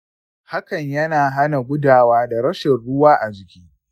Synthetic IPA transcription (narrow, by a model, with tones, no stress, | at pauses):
ha˦kɐ˨ɲjɐ˦naː˨ɦa˦na˨ɡʷʊ˦daː˨waː˦da˨ɾɐ˦ʃɛ˨rɽʊ˦waː˦ʔa˨d͡ʒɪ˨kʲiː˦